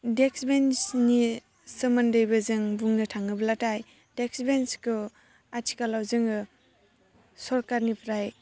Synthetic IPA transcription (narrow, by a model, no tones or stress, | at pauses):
deksbensni | sɯmandɯjbazɯŋbuŋnɯtʰaŋɯblataj | deksbenskɯ | atʰi̥kalawzɯŋɯ | sɔɾkaɾnipʰɾaj